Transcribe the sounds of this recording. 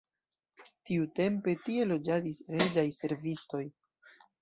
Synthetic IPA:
tiute̞mpe̞tie̞lo̞d͡ʒadisɾe̞d͡ʒajse̞ɾvisto̞j

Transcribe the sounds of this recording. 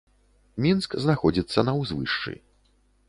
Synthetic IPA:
mʲinskznaxɔd͡zʲit̪sːɐnɐwzvɨʂt͡ʂɨ̰

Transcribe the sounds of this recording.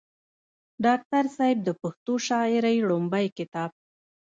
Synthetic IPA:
ɖɑk̚t̪aɾsɑjɪb̚d̪əpʊxt̪oʃɑɪɾajɽombajkɪt̪ɑb̚

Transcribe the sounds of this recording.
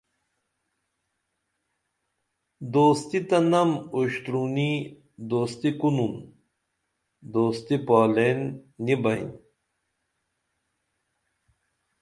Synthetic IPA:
d̪oːst̪it̪ɐnɐmuɕt̪ɾuni | d̪oːst̪ikunun | d̪oːst̪ipaːlenːibɐjn

